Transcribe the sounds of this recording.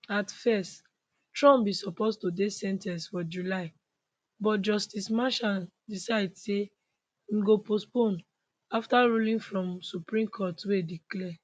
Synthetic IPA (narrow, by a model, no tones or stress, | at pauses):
atfɛst | tɹɔ̃mbisɔpostodesɛ̃ntãsfɔd͡ʒulaɪ | bɔtd͡ʒɔstismãʃãn | disaɪdse | m̩ɡopospõn | aftaɹulĩnfɹɔ̃msupɹĩmkʰɔtwediklɛ